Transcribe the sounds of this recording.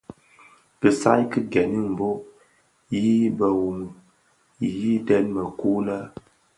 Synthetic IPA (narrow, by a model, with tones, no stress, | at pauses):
bə˨sa˦jkɨ˦ɡɛ˨ni˦m̩˨bo˦ | ji˦bə˨wu˨m | i˨ji˦də˦nmə˨ku˦lə˦